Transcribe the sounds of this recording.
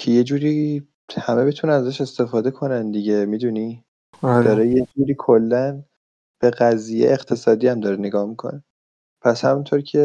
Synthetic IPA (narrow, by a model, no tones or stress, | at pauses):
cʰe̞je̞d͡ʒuːɾiː | hæmebet̪ʰunænæzæʃe̞st̪e̞fɒːd̪e̞kʰo̞nænd̪iɟemiːd̪uni | d̪ɒːɾejed͡ʒuːɾiːkʰolːæn | b̥e̞ɣæzijeːqt̪ʰe̞sɒːd̪iːæmd̪ɒːɾene̞ɡɒːhmikʰo̰ne | pʰæshæmunt̪ʰoːɾcʰe̞